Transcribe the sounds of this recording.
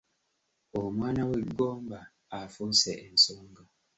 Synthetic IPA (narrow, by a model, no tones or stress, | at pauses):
omwaːnaweɡːoːmbaː | fuseʔensoːŋɡa